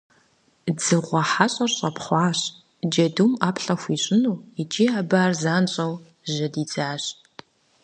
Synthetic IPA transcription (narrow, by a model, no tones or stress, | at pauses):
d͡zɨʁʷɔħaɕʼɐrɕʼɐpχʷɑːɕ | d͡ʒɐduːmaːpɬɐxʷiːɕʼɪnuːit͡ʃʼiːaːbaːrzaːnɕʼɐw | ʒɐdiːt͡saːɕ